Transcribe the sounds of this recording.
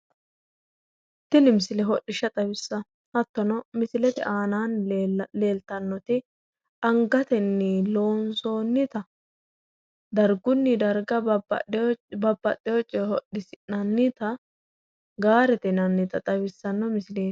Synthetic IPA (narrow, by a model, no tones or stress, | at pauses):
t̪ːɪlɪmɪsɪlɛɦɔɗːɪʃɐt̪ʼɐbɪsːɐ | hɐt̪ːɔnɔmɪsɪlɛt̪ɛ̰ʔaːnaːnle̞ːlt̪ɐnːɔt̪ɪ | ɐŋɡɐt̪ɛnːɪlo̞ːnsoːnːɪt̪ɐ | d̪ɐɾɡʊnːɪd̪ɐɾɡɐ̰ | bɐbːɐɗɛjɔt͡ʃʼːɛhɔɗɪsɪnɐnːɪt̪ɐ | ɡaːɾɛt̪ɛnɐnːɪt̪ɐt̪ʼɐwɪsːɐnːɔmɪsɪleː